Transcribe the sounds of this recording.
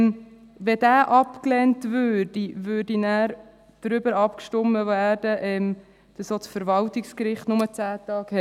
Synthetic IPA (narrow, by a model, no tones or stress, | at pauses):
m | ʋɛd̥æːʔɑpklɛntvøːɾd̥ivøːɾdinæːɾ | d̥ɾʏbəɾɑpkʃtʊmːəvææːrd̥əʔɛm | d̥ɑsot͡sfəɾvɑltikskɾɪχtnʊmət͡sæːtɑːkhɛ